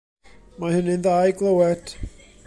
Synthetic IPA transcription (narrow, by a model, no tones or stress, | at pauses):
mahənɨnðaːjɡlˠəwɛd̥